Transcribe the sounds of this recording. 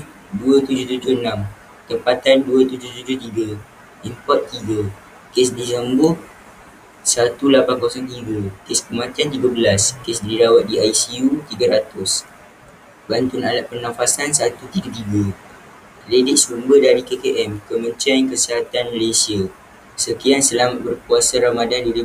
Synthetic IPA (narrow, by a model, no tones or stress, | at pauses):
duət̪ud͡ʒʊht̪ud͡ʒʊənãm | t̪əmpat̪anduət̪ud͡ʒʊht̪ud͡ʒʊht̪iɡə | impɔrt̪̚t̪iɡa | kesdizəmbʊh | sat̪ulapankosɔnt̪iɡəkespəmãt̪iant̪iɡabəlaskesdiɾawat̪̚diajsiut̪iɡəɾat̪ʊs | bant̪ʊnalaʔ̪̚pənãfasansat̪ut̪iɡət̪iɡa | ledɪʔ̚sumbədaɾikekeʔɛmkəmə̃ɲt͡ʃiankəsiɦat̪anməlesia | səkiansəlamat̪̚bərkuasaɾamadandili